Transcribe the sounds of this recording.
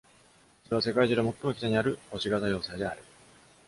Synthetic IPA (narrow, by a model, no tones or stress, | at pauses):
eβase̞kaiʑɨːd̪emo̞t̪ːo̞moki̥t̪aɲ̟iaɾɯ̟o̞ɕiɡat̪ajo̞ːsaːd̪e̞a̰ɾɯ̟